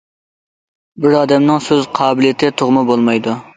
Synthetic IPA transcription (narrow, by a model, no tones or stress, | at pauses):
bɪɾɑːd̪ɛmnɪŋsøzqʰɑːbɪlijet̪ʰɪt̪ʰoʁmɨbolˠmɑjd̪u